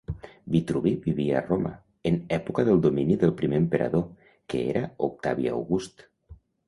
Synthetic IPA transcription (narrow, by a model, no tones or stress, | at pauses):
bit̪ɾuβibiβiaːroma̰ | ənɛpukaðəlˠd̪ominiðəlˠpɾimeːmpəɾʔa̰ðo | kəḛɾʔaok̚t̪aβiaa̰wɣust̪